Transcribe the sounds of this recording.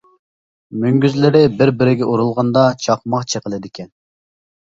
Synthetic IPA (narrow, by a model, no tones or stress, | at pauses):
myŋɡʲyzlɪɾɪbɪɾbɪɾɪɡʲɛʔuɾulˠʁɑnd̪ɑt͡ʃʰɑqmɑqt͡ʃʰeqəlˠɨd̪ɪkʲʰɛn